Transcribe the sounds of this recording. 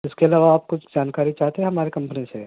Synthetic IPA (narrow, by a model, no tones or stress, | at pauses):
ɪskeɐlaːʋaaːp̚kʊt͡ʃʰd͡ʒaːnkaːɾit͡ʃaːɦt̪eɦɛ̃ɦɐmaːɾekɐ̃mpnisḛ